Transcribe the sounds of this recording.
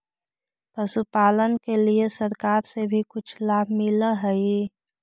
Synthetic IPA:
pəsupaːlənkeliesəɾkaːɾsebʱikʊt͡ʃʰlaːbʱmɪləɦə

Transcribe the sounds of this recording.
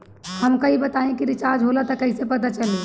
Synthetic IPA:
həmkəibət̪aẽkiɾit͡ʃaɾd͡ʒɦolat̪əkəɪsepət̪at͡ʃəli

